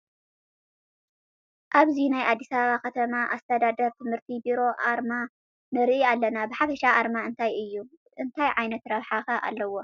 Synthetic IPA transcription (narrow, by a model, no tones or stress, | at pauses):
ʔaβzinajʔad̪ːisɐβɐβakɐt̪ʰɐmaʔast̪ʰɐd̪ad̪ɐɾt̪ʰɨmhɨɾt̪ʰibiɾo̞ʔaɾma | nɨɾʔialːɐnabɨħafɐʃaʔaɾmaɨnt̪ʰajɨjːu | ʔɨnt̪ʰajʕajnɐt̪ɾɐβħaxɐʔa̰lːɐwo̞